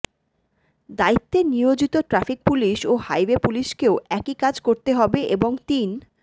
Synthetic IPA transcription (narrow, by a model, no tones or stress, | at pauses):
d̪ait̪ːenijod͡ʑit̪oʈɾafik̚puliʃohajwepuliʃkeoʔɛkikad͡ʑkoɾt̪eɦɔbeʔeboŋt̪in